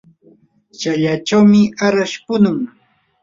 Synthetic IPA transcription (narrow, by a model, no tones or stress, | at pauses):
t͡ʃaʎat͡ʃawmɪaɾaʃpʊnʊŋ